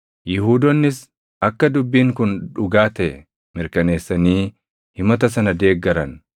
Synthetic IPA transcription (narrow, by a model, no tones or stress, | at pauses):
jɪɦuːd̪ɔnːɪs | ɐkːɐd̪ʊbːiːŋkʊnᶑʊɡaːt̪ɛɛ | mɪɾkɐne̞ːsːɐniː | hɪmɐt̪ɐsɐnɐd̪e̞ːɡːɐɾɐn